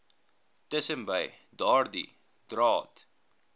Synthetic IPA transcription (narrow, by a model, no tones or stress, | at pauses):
təsəmbəj | dɑːrdḭ | d̥rɑːt